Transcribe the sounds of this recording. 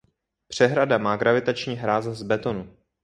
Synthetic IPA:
pr̝̥ɛɦɾadamaːɡɾavɪt̪at͡ʃɲiːɦɾaːzzbɛt̪o̞nu

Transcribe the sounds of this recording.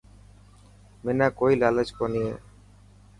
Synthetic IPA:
menakoilalet͡ʃkonijḛ

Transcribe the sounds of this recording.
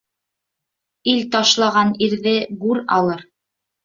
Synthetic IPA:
ilt̪ɑʃlˠɑʁɑniɾðɘɡʉɾɑ̰lˠɤɾ

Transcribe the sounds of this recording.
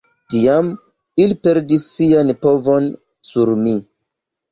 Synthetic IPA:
tiam | ilipe̞ɾdisːianpo̞vo̞n | suɾmi

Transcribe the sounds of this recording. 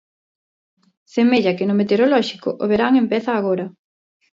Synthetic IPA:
semeʎɐkɪnʊmet̪eoɾolɔʃikʊ̰ʔoβeɾaŋempɛθɐːɣoɾɐ

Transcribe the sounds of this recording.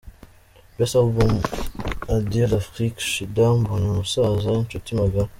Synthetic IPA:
bɛsalbɔm | adelafʁikʃid̪ambonasazant͡ʃot̪imaɡa

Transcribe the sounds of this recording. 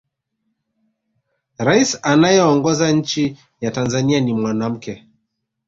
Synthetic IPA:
ɾaisanajɛɔŋɡɔzaɲ̩t͡ʃi | jatanzanianimwanam̩kɛ

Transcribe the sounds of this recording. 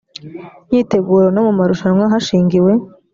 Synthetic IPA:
ɲiːte̞ɡuːɾonomumaɾuʃamwaɦaʃiːŋɡiwe̞

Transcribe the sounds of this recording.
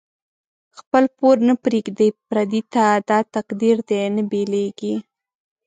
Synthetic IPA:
xpəlpoɾnəpɾeɡd̪əjpɾad̪it̪ad̪ɑt̪aqd̪iɾd̪enəbeleɡi

